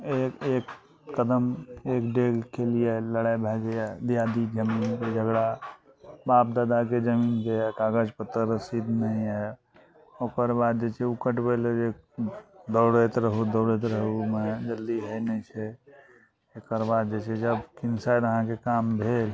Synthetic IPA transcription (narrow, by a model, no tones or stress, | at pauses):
ekek | kəd̪əmekɖeɡkelieləɽabʱɛd͡ʒed̪ijad̪id͡ʒəmiːnked͡ʒəɡɽa | baːp̚d̪aːd̪aked͡ʒəminkekaɡəd͡ʒpət̪ːəɾsid̪ʱnəĩɛ | oːkəɾbad̪̚d͡ʒet͡ʃʰeukəʈbeld͡ʒe | d̪oɽet̪ɾəɦud̪oɽet̪ɾəɦumed͡ʒəld̪iɦəjnɛt͡ʃʰɛ | ekəɾbad̪̚d͡ʒet͡ʃʰed͡ʒəbkɪnsajd̪əɦãkekambʱeːl